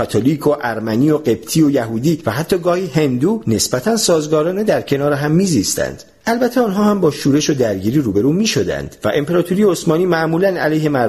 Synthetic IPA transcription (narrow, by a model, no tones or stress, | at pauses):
æt̪ʰoliːkʰo̞ʔæɾmænio̞ɢe̞bt̪ʰiːojæɦuːd̪iːvæɦæt̪ʰːɒːɡɒːhiːhe̞nd̪uːne̞sbæt̪ʰænsɒːzɡɒːɾɒːne̞d̪æɾcʰe̞nɒːɾeɦæmːiːzist̪æ̰nd̪̥ | ʔælbæt̪ʰːeɒːnɦɒːhæmbɒːʃuːɾe̞ʃo̞d̪æɾɟiːɾiːɾuːbe̞ɾuːmiːʃo̞d̪æ̰nd̪̥væ̰ʔempʰe̞ɾɒːt̪ʰuɾijeosmɒːniːmæʔmuːlænæ̰lejhe̞mæ